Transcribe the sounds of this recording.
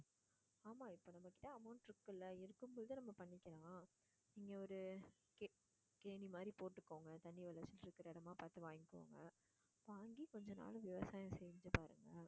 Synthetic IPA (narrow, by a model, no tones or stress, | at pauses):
aːmaːɪpːoːnɐmːɐkːɪ̥ʈːɐɐmɐʊɳʈɪɾɯkːɯlːɐɪɾɯkːɯmbɔðɯnɐmːɐpɐɳːɪkʲːɪɾãːaː | niːŋɡɐɔɾɯ | k | keːnimaːd̪ɾipoːʈːɯkːoːŋɡɐt̪ɐɳːiʋɐlɐt͡ʃːɪlɪɾɯkːɯɾɐɛɽɐmaːpaːt̪ɯʋaːŋɡɪkːɯo̰ːŋɡɐ | ɐpːoɐŋɡikɔɲd͡ʒɔna̰ːlɯ̃ʋɪʋɐsaːjɐ̃msɛjɲd͡ʒɐpaːɾɯŋɡɐ